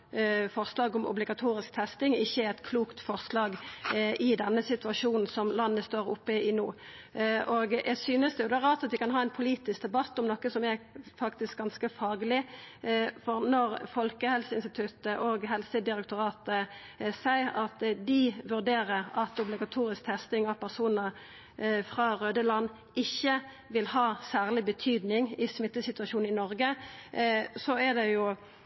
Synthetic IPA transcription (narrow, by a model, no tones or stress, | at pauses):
fɔʁslɑːɡʊmʊ̰blɪɡɑt̪ʰuːʁɪskt̪ʰɛst̪ɪŋɪçːəæɛt̪kʰluːkt̪fɔʁslɑːɡɪd̪ɛnːəsɪt̪ʉɑʂuːnn̩sɔmlɑnːəst̪oːʁʊ̰pːəɪnuː | ʔoːɡʔæsyːnəsd̪ɛjʊd̪ɛːʁɑːt̪ɑt̪ʋ̪ɪkʰɑnɦɑːɛnpʰʊliːt̪ɪsk̚d̪ɛbɑt̪ːɔmnɔkəsɔmæfɑkt̪ɪsk̚ɡɑnskəfɑːɡlɪ | fɔʁnɔʁfɔlkəhɛlsəɪnst̪ɪt̪ʰʉt̪əʔoːɡɦɛlsəd̪ɪɾɛk̚t̪ʊʁɑːt̪ə | sæɪəɾɑt̪d̪ɪʋʉʁd̪eːʁəʁɑt̪ʊblɪɡɑt̪ʰuːɾɪsk̚t̪ʰɛst̪ɪŋɑʋpʰæʁsuːnəʁ | fʁɑːʁøːd̪əlɑnː | ɪçːə | ʋɪlhɑːsæːʁlɪbət̪ʰyːd̪nɪŋɪsmɪt̪ːəsɪt̪ʉɑʃuːnɪnɔʁɡə | sɔæd̪ɛjʊ